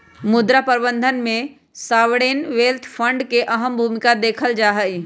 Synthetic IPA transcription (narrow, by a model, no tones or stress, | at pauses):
mʊd̪ɾapəɾbənd̪ʱənmẽ | saːʋɽeːnʋelt̪ʰpʰə̃ɳɖkeʔəɦəmbʱumɪkad̪eːkʰəld͡ʒaːɦəi